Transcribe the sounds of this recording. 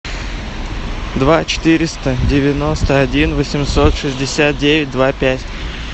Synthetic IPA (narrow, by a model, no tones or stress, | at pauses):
d̪vat͡ɕɪ̥t̪ɨɾʲɪst̪ədʲɪvʲɪno̞st̪əɐdʲinvəsʲɪmsot̪ʂɨzʲdʲɪsʲat̪̚dʲevʲɪt̚ʲd̪vapʲætʲ